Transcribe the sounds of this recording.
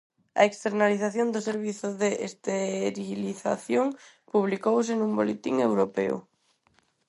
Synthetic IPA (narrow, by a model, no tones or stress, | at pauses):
a̰ekst̪eɾnaliθaθjond̪oseɾβiθʊðeʔḛst̪eɾiliθa̰θjoŋ | puβ̞likowsenũmbolet̪iŋewɾopḛʊ̰